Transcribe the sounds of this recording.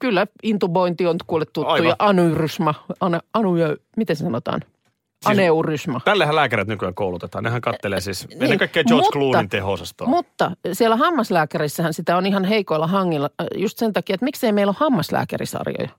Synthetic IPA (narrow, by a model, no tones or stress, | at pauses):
kylːæint̪uboint̪iont̪kuːlːet̪t̪uːujɑʔɑnurysmɑɑneɑnuømit̪ensɑnot̪ɑ̰ːn | ɑneurysmɑt̪ælːehælæːkæɾet̪nykyækoulut̪et̪ɑːnehæŋkɑt̪ːeleːsiːsneninekɑikːeːt͡ʃoˑrkluːnːint̪ehoːsɑst̪o̰mut̪ːɑsielːæhɑmːɑslæːkærisːæhænsit̪æonihɑnheikoilːɑhɑŋːilːɑjust̪sent̪ɑkiɑet̪mikseimeilohɑmːɑslæ̰ːkæ̰rḭsɑ̰rjo̰jɑ̰